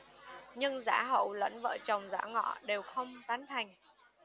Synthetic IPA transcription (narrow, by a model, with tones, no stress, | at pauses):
ɲɨ˧ŋza̰ː˧˥ɦə̰˧˨wlə̰˧˥nvə̰ː˧˩t͡ɕə˨˩wŋ͡mza̰ː˧˥ŋɔ̰˧˨ɗe˨˩wxə˧wŋ͡mt̪aː˨˦nt̪ʰa˨˩jŋ̟